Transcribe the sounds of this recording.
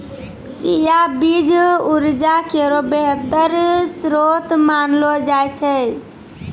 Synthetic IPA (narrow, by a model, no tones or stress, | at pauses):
t͡ʃijabid͡ʒuɾd͡ʒakeɾobeɦət̪əɾsɾot̪manlɔd͡ʒajt͡ʃʰɛ